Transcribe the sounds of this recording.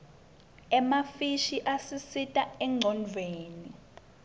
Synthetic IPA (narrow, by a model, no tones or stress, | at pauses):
ɛmafiʃiʔasisitʼaɛŋ͡ǀʱɔnd͡ɮʱweːni